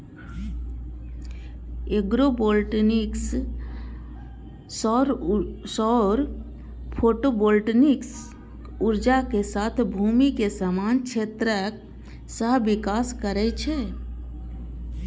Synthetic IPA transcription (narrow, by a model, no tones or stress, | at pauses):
eɡɾoboːlʈniks | sɔɾsɔɾ | pʰoːʈoboːlʈnɪks | ʊɾd͡ʒakesaːt̪ʰbʱuːmikesamaːnkʃʰeːt̪ɾək | səɦʋɪkaːskəɾɛt͡ʃʰe